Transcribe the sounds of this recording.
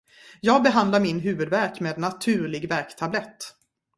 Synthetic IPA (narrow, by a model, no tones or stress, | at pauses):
jɑːɡ̚bɛɦand̪laɾmɪnɦʉ̟ːvɵd̪væɾkmeːd̪nat̪ʰʉ̟ːɭɪɡvæɾkt̪ʰablɛt̪ː